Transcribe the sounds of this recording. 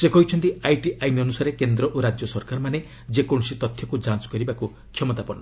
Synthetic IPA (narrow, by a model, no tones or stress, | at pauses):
sekɔɦit͡ʃʰɔnt̪iajʈiʔajmiɔnusaɾekend̪ɾɔʔoɾad͡ʒjɔsɔɾkaɾɔmane | d͡ʒekoɽ̃sit̪ɔt̪ʰjɔkud͡ʒãnt͡ʃkɔɾibaku | t͡ʃʰɔmɔt̪apɔnɔ